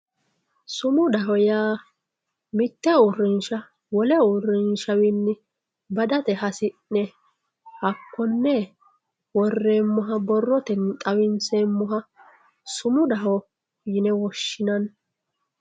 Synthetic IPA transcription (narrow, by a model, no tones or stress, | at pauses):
sʊmʊd̪ɐɦɔjaː | mɪt̪ːɛʊrːɪnʃɐ | wɔlɛʊrɪnʃɐwɪnːɪ | bɐd̪ɐt̪ɛhɐsɪʔnɛ | hɐkːɔnːɛ | wɔrːe̞ːmːɔɦɐbɔrːɔt̪ɛnt̪ʼɐwɪnseːmːɔɦɐ | sʊmʊd̪ɐɦɔ | jɪnɛwɔʃːɪnɐn